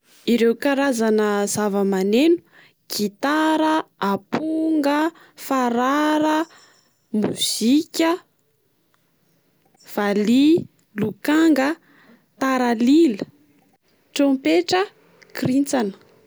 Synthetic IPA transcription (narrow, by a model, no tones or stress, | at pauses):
iɾewkaɾazanəzavəmanenu̥ | kit̪aɾəapuŋɡə | faɾaɾə | muz̥ikʲə | v̥ali | lukaŋɡə | t̪aɾalilə | ʈ͡ʂompeʈ͡ʂə | krint͡sanə̥